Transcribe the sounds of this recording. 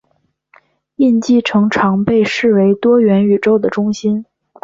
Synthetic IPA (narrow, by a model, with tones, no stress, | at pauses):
i˥˧nt͡ɕi˥˩ʈ͡ʂʰɤ˧˥ŋʈ͡ʂʰɑ˧˥ŋpe˥˧ɪʂɻ̩˥˩we˧˥ɪt̪wɔ˥ɥɛ˧˥ny˨˩ʈ͡ʂo˥ʊd̪ə˨ʈ͡ʂʊ˥ŋɕi˥n